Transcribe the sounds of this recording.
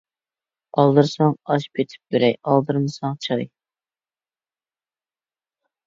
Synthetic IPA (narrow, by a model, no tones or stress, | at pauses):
ɑlˠd̪ɨɾsɑŋɑʃpʰʲet̪ʰɪ̥p̚beɾɛjɑlˠd̪ɨɾnɨsɑŋt͡ʃʰɨɑ̰j